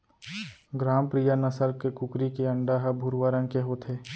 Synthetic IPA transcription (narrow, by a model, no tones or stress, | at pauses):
ɡɾaːmpɾijanɐsəɾkekʊkɾikeɐɳɖaɦəbʱuɾʋaɾənkeɦot̪ʰeː